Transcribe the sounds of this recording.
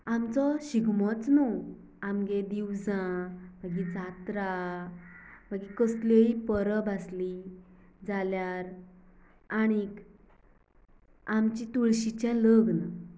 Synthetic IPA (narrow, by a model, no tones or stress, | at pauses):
amt͡sɔɕiɡmɔt͡snu | amɡed̪iwd͡zãmaɡid͡zʱat̪ɾa | maɡikəsleipəɾəbasli | d͡zaljaɾ | añik | amt͡ɕit̪uɭɕit͡ɕãləɡna